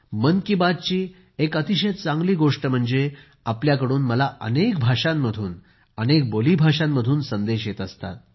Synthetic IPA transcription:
mənkibad̪̚t͡ɕiː | ekət̪iɕed̪t͡saŋɡliːɡoʂʈəm̤əɳd͡ze | apljakəɽuːnməlaʔə̰nekbʱaʂamːəd̪ʱuːn | ənek̚boliːbʱaʂamːəd̪ʱuːnsənd̪eɕjet̪əst̪a̰t̪̚

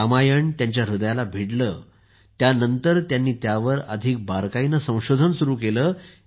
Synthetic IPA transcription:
amajəɳt̪jaɲt͡ɕjaɾud̪jalabʱiɽləː | t̪janənt̪əɾt̪janːiːt̪jaʋəɾəd̪ʱik̚baɾkainəsə̃w̃ɕod̪ʱənsuɾuːkeləː

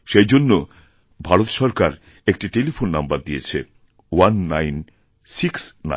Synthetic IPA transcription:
ʃejd͡ʑonːo | bʱaɾot̪ʃɔɾkaɾ | ek̚ʈiʈelifʰonːambaɾd̪ijet͡ɕʰḛ | wanːajn | siksna̰

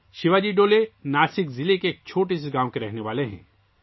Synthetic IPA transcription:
ʃɪʋaːd͡ʒiɖoːlenaːsɪkzɪlekeːk̚t͡ʃʰoːʈesiɡãːw̃keɾɛɦneʋaːleɦɛ̰̃ː

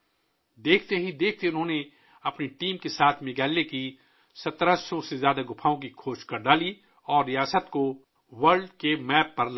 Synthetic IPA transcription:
d̪eːkʰt̪eɦid̪eːk̚ʰt̪eʊnɦõːne | ɐpniʈiːmkesaːt̪ʰmɪɡɛːlːeki | sɐt̪ɾasɔsezjaːd̪aɡʊpʰaːõk̬ikʰoːʃkɐɾɖaːli | ɔːɾːijaːsət̪ko | ʋɐɾɖkemɛːpːɐɾl

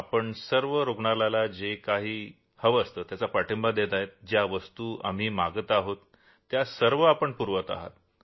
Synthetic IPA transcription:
apəɳsəɾʋəɾoɡɳalalad͡ʑekaɦiː | həʋəst̪əːt̪jat͡sapaʈʰəmbad̪et̪ajet̪̚d͡ʑjaʋəst̪uːa̰m̤iːmaɡət̪aɦot̪ː | jasəɾʋəapəɳpuɾʋət̪a̰ɦa̰t̪̚

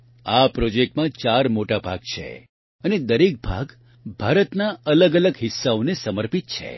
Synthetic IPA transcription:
apɾod͡ʒek̚ʈmãt͡ʃaɾmoʈabʱa̰ɡ̚t͡ʃʰḛ | əned̪əɾek̚bʱa̰ɡ | bʱaɾət̪naələɡələɡɦɪsːaonesəməɾpit̪̚t͡ʃʰḛ

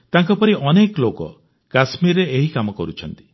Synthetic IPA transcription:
t̪aŋkɔpɔɾiʔɔneklokɔ̰ | kasmiɾeeɦikamɔkɔɾut͡ʃʰɔnt̪i̥

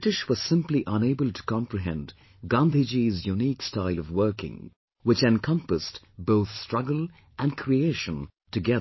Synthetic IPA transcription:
bɪɾɨʃwʌz̥sɪ̃mpliʔʌ̃neɪbəlˠtʰə̥kʰɑ̃mpɹɨɦɛ̰̃n | ɡɑ̃nd̪ʱid͡ʒizjunikstaɪlˠʌvwɜ˞kɪ̰̃ŋ | wɨt͡ʃɛ̃nkʰʌ̃mpəst | b̥oʊθstɹ̥ʌɡəl̩ˠ | ʔɨ̃nkʰɹieɪʃə̃n | tɨɡɛðə

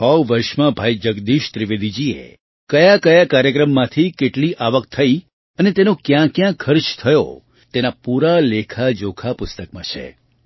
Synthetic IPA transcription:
ɦɔwʋəɾʃmãbʱaid͡ʒəɡd̪iʃt̪ɾiʋed̪id͡ʒiḛ | kəjakəjakaɾjəkɾəmːãt̪ʰikeʈliʔaʋəkt̪ʰəi | ənet̪enõkjãkjãkʰːəɾt͡ʃt̪ʰəjo̰ | t̪enapuɾalekʰad͡ʒokʰapʊst̪əkmã̰t͡ʃʰḛ

